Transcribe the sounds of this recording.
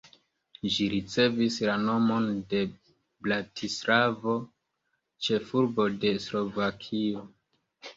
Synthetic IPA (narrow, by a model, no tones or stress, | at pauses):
ʒiɾit͡se̞vislano̞mo̞nde̞ | blatʰislavo̞ | t͡ʃe̞fuɾbo̞de̞slo̞vakʰio̞